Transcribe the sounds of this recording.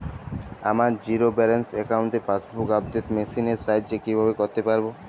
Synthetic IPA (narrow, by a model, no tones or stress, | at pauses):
amaɾd͡ʑiɾobɛɾensekauɳʈeɾpasbukabd̪et̪mesineɾsajʈd͡ʑekibʱabekoɾt̪epaɾbo